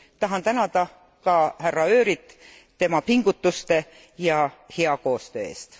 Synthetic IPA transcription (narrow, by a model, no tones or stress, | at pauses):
t̪ɑɦɑnt̪ænɑd̪ɑ | kɑhærːɑø̞ːɾit̪ˑ | t̪ːe̞mɑpiŋɡ̥ut̪ːˑust̪e̞ | jɑhe̞ɑko̞ːst̪ø̞ːe̞̰ːst̪